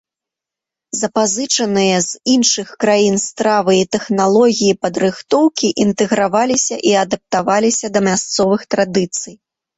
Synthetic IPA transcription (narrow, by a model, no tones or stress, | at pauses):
zɐpazɨt͡ʂɐnɨjɐzinʂɨxkɾajinst̪ɾavɨit̪ɛxnalˠɔɣʲijipɐd̪ɾɨxt̪ɔwkʲiʔint̪ɛɣɾavalʲisʲɐʔiɐd̪ɐp̚t̪avalʲisʲɐd̪ɐmʲast̪sɔvɨxt̪ɾad̪ɨt̪sɨj